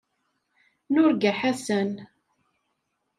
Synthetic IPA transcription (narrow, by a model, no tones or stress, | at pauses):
nʊɾɡæħasən